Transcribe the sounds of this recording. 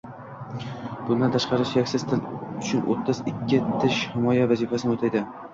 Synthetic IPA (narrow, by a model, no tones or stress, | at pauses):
b̥ʊnd̪ant̪ʰaʃqɑɾɪʃjakʲsɪz̥t̪ʰɪlʊt͡ʃʰʊnʔo̰t̪ʰːɪzɪkʲʰːɪt̪ʰɪʃhɪmɒjavazifasɪnot̪ʰajd̪ɪ